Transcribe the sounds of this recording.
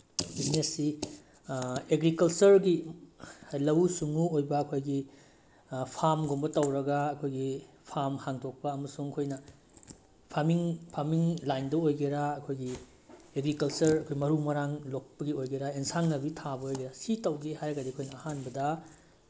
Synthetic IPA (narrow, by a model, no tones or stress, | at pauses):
bisnesːi | eɡɾikɐlt͡ʃɐɾɡi | lɐwsuŋuojbɐːkʰojɡi | pʰaɾmɡombɐtɐwɾɐɡaːkʰojɡi | pʰamhaŋtʰok̚pɐɐmɐsuŋɐkʰojnɐ | pʰamiŋpʰamiŋlajndɐojɡeɾaɐkʰojɡi | eɡɾikɐlt͡ʃɐɾɐkʰojmɐɾumɐɾaŋlok̚pɐɡiojɡeɾaensaŋnɐbitʰabɐojɡeɾasitɐwɡehajɐɡɐdikʰojnɐːhanbɐdɐ